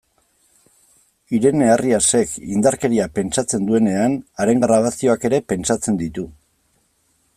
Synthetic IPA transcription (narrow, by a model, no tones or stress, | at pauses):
iɾe̞neariase̞kind̪aɾke̞ɾiape̞nt͡sat͡se̞nd̪ue̞ne̞anaɾe̞ŋɡɾaβ̞asio̞ake̞ɾe̞pe̞nt͡sat͡se̞nd̪it̪u